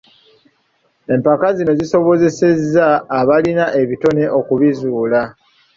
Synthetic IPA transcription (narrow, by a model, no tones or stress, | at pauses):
e̞mpakazino̞ziso̞βo̞ze̞se̞zaːβalinaʔe̞βito̞ne̞ʔo̞kuβizuːla